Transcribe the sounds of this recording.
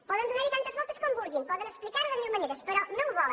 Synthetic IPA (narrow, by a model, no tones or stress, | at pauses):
pɔðẽd̪uðeɾit̪ɐ̃t̪ɐʒvɔsɐʃkõmuβuɾɣĩpɔðẽʃplˠikaɾðɐmiɲɐmɐnejɾɐʃpɛɾakɨnɐ̃w̃vɔl̃ˠ